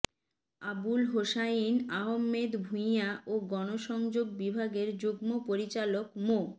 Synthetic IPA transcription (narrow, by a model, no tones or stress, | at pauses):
abulɦoʃainaɦomːed̪bʱujaoɡɔnoʃɔŋd͡ʑoɡ̚bibʱaɡeɾd͡ʑoɡmopoɾit͡ɕalokmo